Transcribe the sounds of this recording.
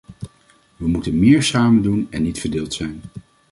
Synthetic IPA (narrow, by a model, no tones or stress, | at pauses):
ʋəmutənmɪːɹsaːməndunɛnːitfəɹdɪːlˠtsɛjn